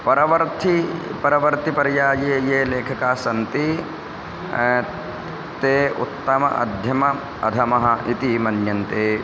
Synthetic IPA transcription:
pɐɾɐʋɐɾt̪ʰipɐɾɐʋɐɾt̪ipɐɾjaːjeːjeːleːkʰɐkaːsɐnt̪i | t̪eːʔṵt̪ːɐmɐ̰ʔɐ̰d̪ʱjɐmɐ | ɐ̰d̪ʱɐmɐɦɐʔit̪imɐnjɐnt̪eː

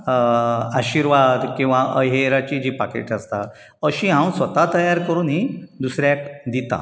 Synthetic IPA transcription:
aɕiɾʋad̪kĩw̃ʋaʔəjɦeɾat͡ɕiːd͡ʑiːpakḛʈəst̪a̰ | əɕiːɦãw̃sʋət̪at̪əjaɾkəɾuːnɦiːd̪usɾjak̚d̪it̪a̰

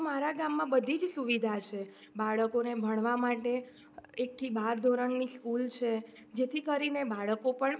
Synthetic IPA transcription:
maɾaɡamːãbəd̪ʱid͡ʒsuʋid̪ʱat͡ʃʰebaɭəkonebʱəɽ̃ʋamaʈe | ek̚t̪ʰibaɾd̪ʱoɾəɳniskult͡ʃʰe | d͡ʒet̪ʰikəɾinebaɭəkopəɳ

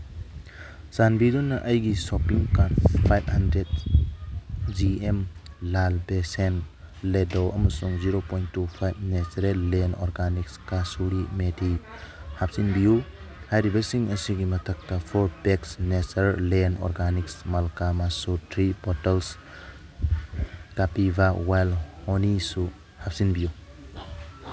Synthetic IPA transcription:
z̥anbidɔnːɐʔɐjɡisɔpiŋkat̚pʰajb̚handɾet | ziemlalbesen | ledoʔɐmɐsuŋziɾopojntːupʰajb̚nesɾetlenɔɾɡanikskasuɾimedihap̚sinbiju | hajɾibɐsiŋɐsiɡimɐtʰɐk̚tapʰɔɾt̚beksnesɐɾlenɔ̰ɾɡaniksmalkamasutʰɾibɔtels | kapibawajlhonisu | hap̚sinbiju

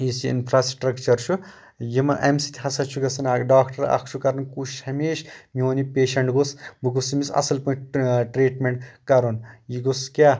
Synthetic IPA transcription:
isiḭnpʰɾaːsʈɾɐkt͡ʃɐɾt͡ʃʰu | jimɐʔɐmsit̪ʰʲɦɐsɐt͡ʃʰuɡɐsɐnaɖaːkʰʈɐɾɐ̰kʰt͡ʃʰukɐɾɐnkuʃiʃhɐmeːʃmiɦoːnipeːʃɐɳʈɡosbuɡusimisɐ̰sɐlpɐnʈɾeːʈmeɳʈkɐɾonjiɡoskʲa

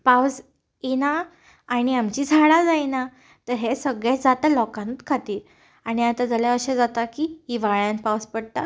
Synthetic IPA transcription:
pawd͡z | inaː | ɽ̃iamt͡ɕiːd͡zʱaɽad͡zajna | t̪əɾɦesəɡɭjad͡zat̪alɔkãnut̪kʰat̪iːɾ | aɽ̃iat̪ad͡zəljaəɕad͡zat̪akiɦiʋaɭjãn̚pawspəɽt̪a

